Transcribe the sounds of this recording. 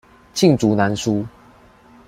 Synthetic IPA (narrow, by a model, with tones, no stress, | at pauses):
t͡ɕʰi˥˨ŋt͡su˨˥na˨˦nsu˦